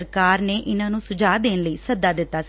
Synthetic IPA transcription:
ɾkaːɾneːʔɪnãːnũːsʊd͡ʒaːd̪eːnləiːsəd̪aːd̪ɪt̪ːaː

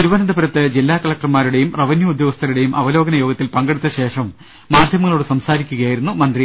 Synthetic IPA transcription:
uɾuʋɐnɐnd̪ɐpɐɾɐt̪ːɨd͡ʑilːaːkɐlɐk̚ʈɐrmaːɾuɽe̞jumrɐʋɐnjuud̪joːɡɐst̪ʰɐɾuɽe̞jumʔɐʋɐlo̞ːɡɐnɐjo̞ːɡɐt̪ːilpɐŋɡeɽut̪ːɐɕe̞ːʂɐmː | aːd̪ʱjɐmɐŋːɐɭoːɽɨsɐmsaːɾikʲːuɣɐjaːjiɾunːumɐnd̪ri

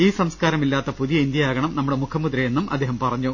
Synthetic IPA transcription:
iːsɐmskaːɾɐmilːaːt̪ːɐpuðijɐind̪jɐaːɡɐɳɐmnɐmːuɽemukʰɐmːud̪ɾɐjenːumʔɐ̰d̪ːeːɦɐmpɐrɐɲːu

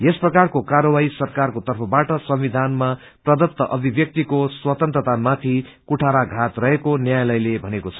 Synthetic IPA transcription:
jesprʌkarkokaɾʌwaisʌrkarkot̪ʌrpʰʌbaʈʌsʌmwid̪ʱanma | prʌd̪ʌt̪ːʌʔʌbʱibjʌk̚t̪ikoswʌt̪ʌnt̪rʌt̪amat̪ʰi | kuʈʰaɾaɡʱat̪rʌɦekonjajalʌjlebʱʌnekot͡sʰʌ̥

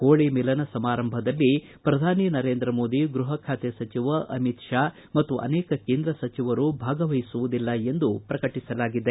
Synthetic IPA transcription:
koːɭimilɐnɐsɐmaːɾɐmbʱɐd̪ɐlːi | pɾɐd̪ʱaːninɐɾe̞ːnd̪ɾɐmo̞ːd̪iɡɾuɦɐkʰaːt̪ɛsɐt͡ʃiʋɐʔɐmit̪ʂaː | mɐt̪ːuʔɐ̰nɛːkɐkeːnd̪ɾɐsɐt͡ʃiʋɐɾubʱaːɡɐʋɐjisuʋud̪ilːɐend̪upɾɐkɐʈisɐlaːɡid̪e

